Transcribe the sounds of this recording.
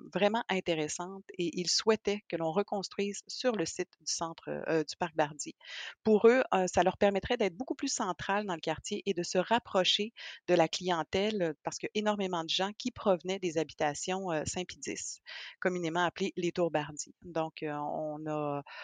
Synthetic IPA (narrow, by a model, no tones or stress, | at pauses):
vʁɛmɑ̃ʔɛ̃t̪eʁɛsɑ̃t̪eʔilswɛt̪ɛkəlɔ̃ʁəkɔ̃st̪χɥiːzsyʁləsɪt̪d̪y̥sɑ̃ːt̪χə̰d̪ypaʁk̚baʁd̪ipuʁøøsalœʁpɛʁmɛt̪χʁɛd̪ɛːt̪̚χbokuplysɑ̃t̪χald̪ɑ̃ləkaʁt̪jeʔed̪əsəʁapχɔʃed̪əlaklijɑ̃t̪ɛlpaʁ̥sə̥kəʔenɔʁmemɑ̃d̪əʒɑ̃kʲʰipχɔvnɛd̪ezabit̪asjɔ̃øsɛ̃pid̪ɪ̰skɔmynemɑ̃aplelet̪uʁbaʁd̪id̪ɔ̃køɔ̰̃nɔ